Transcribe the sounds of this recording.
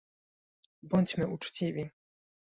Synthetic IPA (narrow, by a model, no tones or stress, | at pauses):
bɔɲt͡ɕmɘʔut͡ʂt͡ɕivʲi